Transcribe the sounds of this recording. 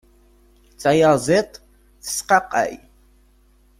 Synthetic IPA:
t͡sʼajazetʼ | sqaqʼa̰j

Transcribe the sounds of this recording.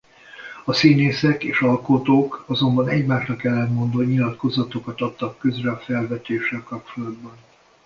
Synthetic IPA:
ɒsiːneːsɛkeːʃɒlkot̪oːkɒzo̞mbɒnɛɟmaːʃrɒkɛlːɛnmo̞nd̪oɲilɒt̪ko̞zɒt̪okɒt̪ɒt̪ːɒkːøzrɛɒfɛlvɛt̪eːʃɛlkɒp̚t͡ʃo̞lɒd̪bɒn

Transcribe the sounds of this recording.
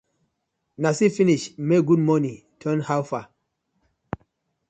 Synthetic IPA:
nasifiniʃmeɡud̚mɔnĩ | tʰɜ̃nhawfa

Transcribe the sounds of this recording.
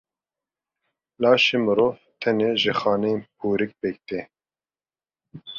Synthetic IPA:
lɑːʃemɨɾoːvt̪ʰɛneːʒɨxɑːnɛjenpʰuːɾɨk̚pek̚t̪eː

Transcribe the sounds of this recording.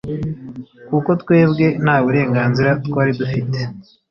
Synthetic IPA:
kuko̞tkwe̞ːbɡe̞nhaːβuɾe̞ːŋɡaːnziɾatwaːɾidufite̞̥

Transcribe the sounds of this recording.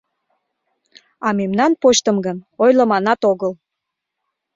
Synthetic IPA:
ɑmemnɑnpoʃt̪əmɡənojləmɑnɑt̪oɣəl

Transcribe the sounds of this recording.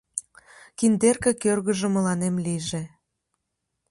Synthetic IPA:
kind̪erkĕkørɣə̆ʒə̆məlɑnemliʒĕ

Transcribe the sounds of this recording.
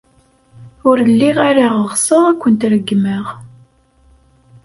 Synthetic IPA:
ʊɾəlːiʁaɾaʁəʁsˤəʁækʷːənt̪ɾəɡːməʁ

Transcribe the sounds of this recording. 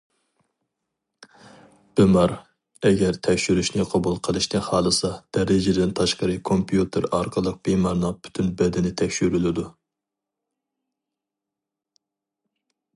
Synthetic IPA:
b̥ɪmɑɾ | ɛɡʲɛɾt̪ʰɛkʲʃyɾyʃnɪqʰɑbulˠqʰəlˠɨʃt̪ɨnhɑːlˠɨsɑd̪̥ɛɾɪd͡ʒɪd̪ɪnt̪ʰɑʃqəɾɨkʰompjut̪ʰɪɾɑɾqʰəlˠəq̚b̥emɑɾnɨŋb̥y̥t̪ʰynbɛd̪ɪnɪt̪ʰɛkʲʃyɾylɪd̪u

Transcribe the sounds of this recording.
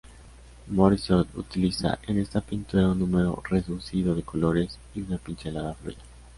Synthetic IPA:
moɾisot̪ṵt̪ilisa̰ʔe̞ne̞st̪apint̪uɾaunːũme̞ɾo̞̰re̞ðusiðo̞ðe̞ko̞lo̞ɾe̞s | iunapinselaðaflo̰ʝa

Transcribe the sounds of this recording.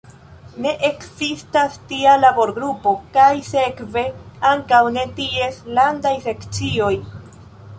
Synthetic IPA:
ne̞ʔeksistastialabo̞ɾɡɾupo̞kajse̞kve̞aŋkawne̞tie̞slandajse̞kt͡sio̞j

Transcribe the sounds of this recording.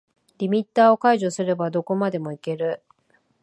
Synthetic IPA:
ɾʲimʲit̪ːaːo̞kaiʑo̞sɨɾe̞bad̪o̞ko̞mad̪e̞mo̞ike̞ɾɯ̟

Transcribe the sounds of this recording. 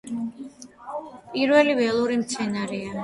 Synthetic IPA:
pʼiɾvɛlivɛlˠuɾimt̪sʰɛnaɾɛa

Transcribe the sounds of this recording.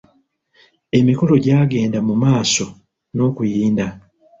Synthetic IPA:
e̞miko̞lo̞ɟaːɡe̞ːndamumaːso̞ | no̞ːkujiːnda

